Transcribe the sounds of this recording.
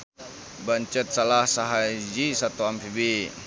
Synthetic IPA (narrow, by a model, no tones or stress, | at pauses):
baɲt͡ʃət̪̚salahsaɦad͡ʒisat̪uamfibi